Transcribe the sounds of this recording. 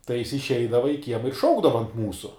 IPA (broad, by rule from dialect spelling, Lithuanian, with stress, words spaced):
tɐɪ jɪs ɪʃʲˈɛɪdɐʋɐ ɪ ˈkʲiɛmɐ ɪr ˈʃɐʊɡdɐʋɐ ɐnt ˈmuːsʊ